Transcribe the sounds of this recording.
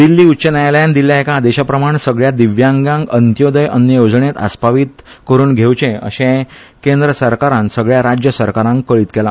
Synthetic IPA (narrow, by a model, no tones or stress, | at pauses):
d̪ilːiːutːɕənajljãnd̪ilːjaekad̪ɛɕapɾəmaɳsəɡɭjad̪iʋjãŋɡãŋɡənt̪jod̪əjʔənjəjod͡zɳet̪a̰spaʋiːt̪ | kəɾuːnɡʱewt͡ɕẽə̰ɕẽ | kend̪ɾəsəɾkaɾãnsəɡɭjaɾad͡ʑjəsəɾkaɾãŋkːəɭiːt̪kɛla